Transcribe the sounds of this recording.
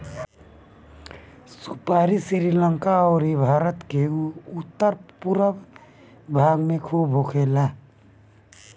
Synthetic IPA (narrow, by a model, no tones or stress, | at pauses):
supaːɾisiɾiləŋkaɔːɾibʱaːɾət̪keʊt̪ːəɾpuɾə | bʱaːɡmẽkʰuːbʱɦokʰeːlaː